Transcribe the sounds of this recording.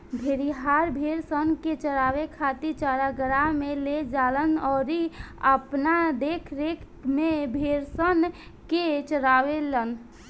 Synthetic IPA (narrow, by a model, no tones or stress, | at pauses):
bʱeɾiɦaɾbʱeɾsənket͡ʃəɾaʋekʰat̪it͡ʃaɾaɡəɾameled͡ʒalənɔːɾiəpnad̪ekʰɾekʰ | mebʱeɾsən | ket͡ʃəɾaʋelən